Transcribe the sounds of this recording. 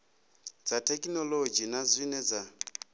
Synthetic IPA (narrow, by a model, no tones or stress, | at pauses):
d͡zatʰɛkʼnɔlod͡ʒinazʷinɛd͡za